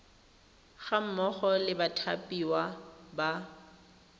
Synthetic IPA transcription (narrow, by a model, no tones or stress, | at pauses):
ɣam̩mɔχɔlɪbatʰapʼiwaba